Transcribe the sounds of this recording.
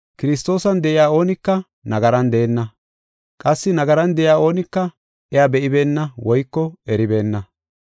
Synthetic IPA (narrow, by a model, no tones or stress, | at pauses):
kɪɾɪs̬t̪o̞ːsɐnd̪ɛʔɪjaːo̞ːnɪkːɐ | nɐɡɐɾɐnd̪ɛɛnːɐ | kʼɐsːɪnɐɡɐɾɐnd̪ɛʔɪjaːo̞ːnɪkːɐ | ʔɛjaːbɛʔɪbe̞ːnːɐwɔjkːɔɛɾɪbe̞ːnːɐ